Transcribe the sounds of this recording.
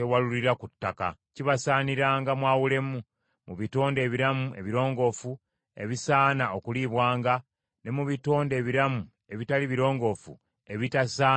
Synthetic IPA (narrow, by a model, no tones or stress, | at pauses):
ewaluliɾakutːaka̰ciβasaːniɾaːŋɡamwaːwule̞mu | muβito̞ːnde̞ːβiɾamue̞̰βiɾo̞ːŋɡo̞fu | e̞̰βisaːnao̞kuliβwaːŋɡa | ne̞muβito̞ːnde̞ːβiɾamu | e̞βitaliβiɾo̞ːŋɡo̞fṵ | e̞βitasaː